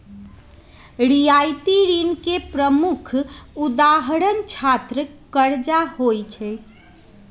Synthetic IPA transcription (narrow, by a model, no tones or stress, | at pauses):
ɾijajt̪iɾinkepɾəmukʰud̪aɦəɾənt͡ʃʰat̪ɾəkəɾd͡ʒahojt͡ʃʰɛ